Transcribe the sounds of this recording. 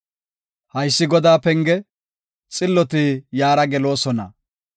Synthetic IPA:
hɐjsːɪɡɔd̪aːpɛŋɡɛ | t͡sʼɪlːɔt̪ɪjaːɾɐɡɛlo̞ːsɔnɐ̰

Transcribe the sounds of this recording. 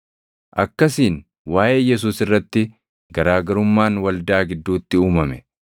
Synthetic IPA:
ʔɐkːɐsiːn | waːʔe̞ːjɛs̬uːsɪrːɐt̪ːɪ | ɡɐɾaːɡɐɾʊmːaːnwɐld̪aːɡɪd̪ːuːt̪ːɪuːmɐmɛ

